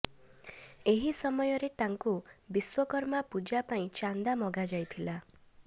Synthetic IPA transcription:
eɦisɔmɔjɔɾet̪aŋkubiswɔkɔɾmapud͡ʒapaĩt͡ʃand̪amɔɡad͡ʒajt̪ʰila

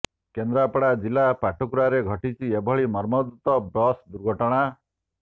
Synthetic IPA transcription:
kend̪ɾapɔɽad͡ʒilapaʈʰukuɾaɾeɡʱɔʈit͡ʃʰiebʱɔɭimɔɾmɔd̪ut̪ɔbɾɔsd̪uɾɡʱɔʈɔɽ̃a

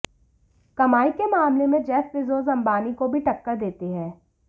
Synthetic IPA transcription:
kɐmaːikemaːmlemẽd͡ʒɛːfʋɪzoːzɐ̃mbaːnikobʱiʈɐkːəɾd̪eːt̪eɦɛ̃ː

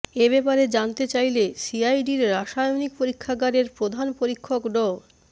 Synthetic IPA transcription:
ebɛpaɾed͡ʑant̪et͡ɕajlesiajɖiɾɾaʃajonik̚poɾikʰːaɡaɾeɾpɾod̪ʱanpoɾikʰːokɖɔ

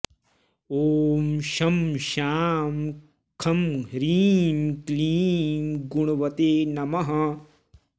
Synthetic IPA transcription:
oːmʃɐmʃaːm | kʰɐmɦɾiːmkliːmɡuɳ̃uʋɐt̪eːnɐmɐɦɐ

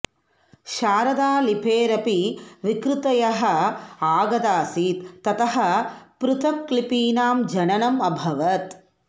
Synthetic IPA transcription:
ʃaːɾɐd̪aːlipʰeːɾɐpiʋikɾut̪ɐjɐɦɐaːɡɐd̪aːsiːt̪ːɐt̪ɐɦɐ̆pɾut̪ʰɐmklipiːnaːmd͡ʒɐnɐnɐmɐbʱɐʋɐt̪

